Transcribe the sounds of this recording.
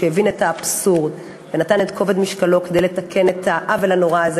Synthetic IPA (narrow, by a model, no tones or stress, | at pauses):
evinetaːpsuʁd | venat̪anetkʰo̞ved̪miʃkalo̞kedejletakʰe̞net̪aʔavelano̞ʁaaz